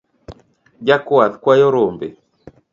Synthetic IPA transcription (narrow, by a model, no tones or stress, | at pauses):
d͡ʒakwaðkwajɔɾombḛ